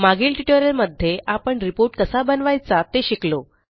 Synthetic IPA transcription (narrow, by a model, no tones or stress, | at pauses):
maɡiːlʈiʈoɾjəlməd̪ʱːjeʔapəɳɾipoɾʈkəsabənʋajt͡sat̪eɕiklo